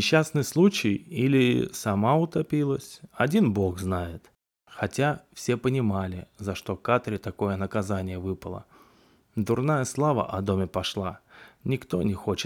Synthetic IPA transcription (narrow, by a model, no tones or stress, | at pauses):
nʲɪɕːasnɨjslˠut͡ɕɪjilʲɪsɐmaʊt̪ɐpʲilˠəsʲɐdʲinbo̞ɡznajɪt̪ | xɐtʲafsʲe̞pənʲɪmalʲɪzɐʂt̪o̞kat̪ɾʲɪt̪ɐko̞jənəkɐzanʲɪjəvɨpəlˠə̰ | d̪ʊrnajəslˠavə̰ʔɐd̪o̞mʲɪpɐʂlˠanʲɪkt̪o̞̰nʲɪxo̞t͡ɕɪt̪